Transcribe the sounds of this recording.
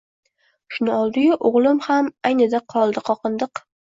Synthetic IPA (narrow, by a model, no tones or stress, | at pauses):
ʃʊnɪɒlˠd̪ɪjʊʔʊʁlˠɪmhamajnɪd̪aqʰɒlˠd̪ɪqʰɒqɨnd̪ɨq